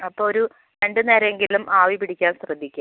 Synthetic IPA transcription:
ɐpːoːoɾu | ɾeɳɖɨneːɾeŋɡilumʔaːʋipiɽikʲːaːnɕrɐd̪ʱːikʲːa

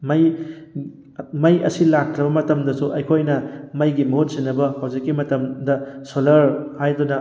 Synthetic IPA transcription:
mɐj | mɐjʔɐ̰silak̚tɾɐbɐmɐtɐmdɐsuʔɐjkʰojnɐmɐjɡimɐɦut̚sinːɐbɐhawzikːimɐtɐmdɐsolɐɾhajdunɐ

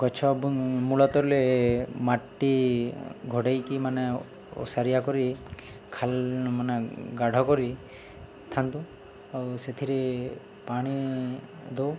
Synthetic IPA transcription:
ɡɔt͡ʃʰɔbmulɔt̪ɔɾlemaʈːi | ɡʱoɽajkimane | ɔ̰saɾijakɔɾi | kʰalmaneɡaɽʱɔkɔɾi | t̪ʰant̪u | awset̪ʰiɾe | paɽ̃i | d̪ow

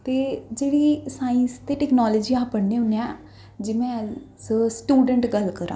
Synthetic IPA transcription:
t̪eːd͡ʒeːɽiːsaːə̃nst̪eːʈɛːknaːləːd͡ʒiːaːpəɽneːʊneãː | d͡ʒɪmɛ̃ːssʈuːɖəɳʈɡəlkəɾã̰ː

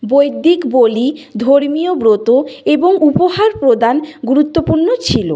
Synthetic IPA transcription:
bojd̪ikbolid̪ʱoɾmijobɾot̪oeboŋupoɦaɾpɾod̪anɡuɾut̪ːopuɾnot͡ɕʰilo

